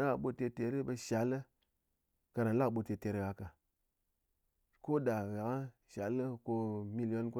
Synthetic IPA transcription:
a˨ɓo˧te˧te˨ɾi˦bə˧ʃa˨˦lːə˦ | ka˧ɾa˨n˦la˦kɓo˧te˧te˨ɾi˦ɡa˧ka˨ | ko˦da˨ɣa˨ka˦ | ʃa˨˦lːə˦ko˧mi˦li˨jo˦nko˦

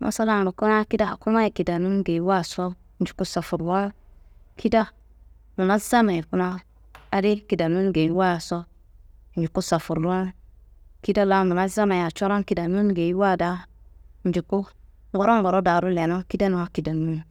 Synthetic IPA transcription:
mo̰˨sa˦la˦n˨ɾu˨ku˦na˦ki˦da˦˨ku˦ma˦ji˨ki˨da˨nu˦nɡe˨i˦wa˦˨sɔ˦ | n̩˨d͡ʒi˨ku˦sa˨fu˨ɾwa˦kʰi˦da˦ | mu˨na˦za˦ma˨ku˦na˦ | a˨di˦ki˨da˨nu˦n˦ɡe˨i˦wa˦˨sɔ˦˨ | n̩˨d͡ʒi˨ku˦sa˨fu˨ɾa˦ | ki˦da˦la˦mu˨na˦za˦ma˨ja˨t͡ʃɔ˦ɾa˦ki˨da˨nu˦n˦ɡe˨i˦wa˦˨da˦n̩˨d͡ʒi˨ku˦ | ɡɔ˦ɾo˦ɡɔ˨ɾo˦da˨ɾu˦le˨no˦ki˦da˦nu˨wa˦ki˨da˨nu˦n

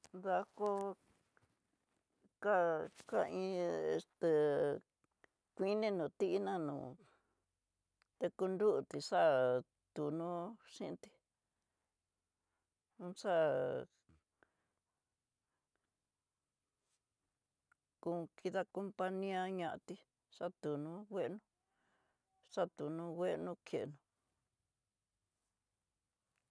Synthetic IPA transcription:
ða˧ko˦ | ka˦ka˦˧ĩ˧˦ḛ˧st̪e˨ | kʷi˦nĩ˦nũ˨t̪i˦ʔi˦nã˦nṵ̃ː˨ | t̪e˧ku˧nd̪u˦ʔt̪i˨ʂa˦ | t̪u˨nũ˦ʂĩ˦˧˦t̪i̥˧ | ũ˦ʂa˦ | kũ˧kʰi˧ða˧ko˧mpa˧nĩ˦ã˦ɲã˧ʔa˧t̪i˦ | ʂa˦t̪u˨nũ˦wʷe˦ʔnũ˦ | ʂa˦t̪u˨nũ˦wʷe˦˧nũ˦kʰje˨ʔnũ˨

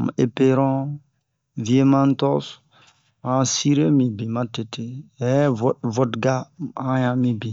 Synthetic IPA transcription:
m˨e˨pe˦ɾɔ̃˦ | vi˨˦e˦mã˦n˦tɔ˦s | mã˨si˦ɾe˦mi˨bi˨mã˦te˨te˦ɛ˦vɔ˦tɡa˦ã˦jã˨mĩ˦bi˨

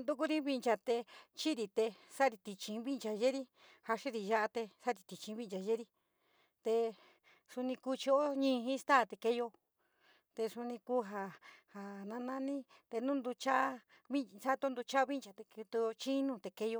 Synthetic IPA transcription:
nd̪u˦ku˦ɾi˦βi˧nt͡ʃa˧t̪e˧t͡ʃi˦ɾi˧˨t̪e˧sa˦ɾi˧t̪i˧t͡ʃĩ˧βi˦nt͡ʃa˨ʒe˦ɾi˦ | ha˧ʂi˦ɾi˧ʒa˧ʔa˧t̪e˧sa˦ɾi˧t̪i˨t͡ʃĩ˧˦βi˦nd͡ʒa˨ʒe˦ɾi˧ | t̪e˧ | su˧nĩ˧ku˧t͡ʃi˧o˦ɲĩː˦˧ɦĩ˦˧st̪a˦˨t̪e˧ke˧jo˧ | t̪e˧su˧nĩ˧ku˦ɦa˧ha˨nã˧nã˦nĩ˦ | t̪e˧nũ˦nd̪u˧t͡ʃa˦ | βi˦sa˦t̪o˦nd̪u˧t͡ʃa˦βi˦nd͡ʒa˨t̪e˧kt̪u˧t͡ʃĩ˦nũ˧t̪e˨ke˧jo˧

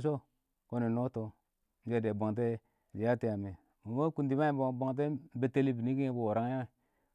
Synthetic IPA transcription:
s̬o˦ | ko˦ni˨no˦to˦ | n̩˦d͡ʒe˦˨de˨ba˨ŋt̬e˦˨ | d͡ʒi˨a˦ti˦ja˨me˨ | mo˨mo˦ku˦ndi˨˦ma˦bbo˨ŋt̬e˦m˦be˨te˦li˦bi˨ni˦ki˦e˦bu˦˨wo˨ɾa˦ŋ˦a˦ŋ˨

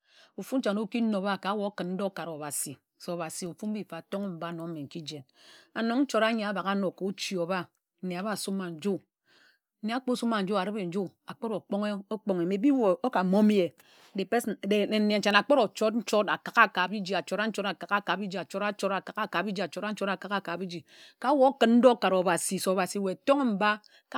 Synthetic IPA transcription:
u˨fu˦n̩˦t͡ʃa˨no˦ki˦no˨˦ba˦˨ka˨˦wo˨˦kɨ˨nn̩˦do˦ka˨ɾo˨ba˨si˨ | so˨βa˨si˨o˨fu˦m̩˦bi˦fa˨to˦ŋe˦m̩˨ba˦no˨˦me˨ŋ̩˨ki˦d͡ʒe˨n | a˨no˨ŋn̩˦t͡ʃo˦ɾa˦ɲe˨a˨˦ba˨ka˦no˨ko˨˦t͡ʃi˨o˨ba˦ | n̩˨ne˨a˨ba˦˨su˦mːa˨n̩˨d͡ʒu˦˨ | ne˨a˦k͡po˦su˦ma˨n̩˨˦d͡ʒu˦a˨ɾɨ˦be˨n̩˨d͡ʒu˦a˨k͡po˦ɾo˨k͡po˦ŋe˦o˦k͡po˦ŋe˨me˨˦bi˦wo˨o˦ka˨mo˦m˦je˨ | de˨pe˦sde˨e˨ne˨˦t͡ʃa˨na˨k͡po˦ɾo˨t͡ʃo˦tn̩˦t͡ʃo˦ta˨ka˨ka˦˨ka˨bi˦d͡ʒi˨a˨t͡ʃo˨ɾa˦n̩˦t͡ʃo˦ɾa˨ka˨ka˦ka˨bi˦d͡ʒi˨a˨t͡ʃo˦ɾa˦t͡ʃo˦ɾa˨ka˨ka˦˨ka˨bi˦d͡ʒi˨a˨t͡ʃo˨˦ɾa˦n̩˦t͡ʃo˦ɾa˨ka˨ka˦˨ka˨bi˦d͡ʒi˨ka˦wo˦o˦kɨ˨˦n̩˦do˦ka˨ɾo˨ba˨si˨so˨ba˨si˨˦we˨to˦ŋ˦m̩˨ba˦ | ka˦

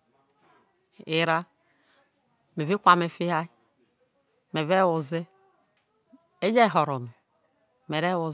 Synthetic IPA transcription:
i˦˨ɾa˦ | me˨vi˦kʷa˨me˨fi˦ha˦i˦ | me˨ve˦wo˨ze˦ | e˦d͡ʒe˦˨ɦo˨ɾo˨nu˨ | me˨ɾe˦wo˨

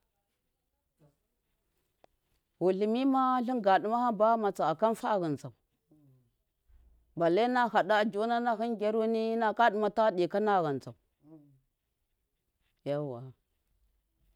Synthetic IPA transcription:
wu˨ɬi˨mi˦ma˦ɬi˦ŋɡa˨ɗu˨ma˦ha˦ba˦ma˨t͡sa˨a˨ka˦nfa˦˨ɣa˨nd͡za˨u˨ | ba˨le˦na˦ha˨da˦˨d͡ʒo˦na˦na˦xi˦nɡʲe˦ɾu˦ni˦na˦ka˦ɗi˨ma˨ta˦ɗi˨ka˦na˦˨ɣa˨nza˨u˨ | ja˦wa˨

